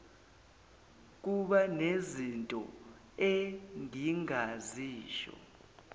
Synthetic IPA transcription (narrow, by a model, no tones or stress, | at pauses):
k̬uɓanezintʼɔ̰ | eŋiŋaziːʃɔ̰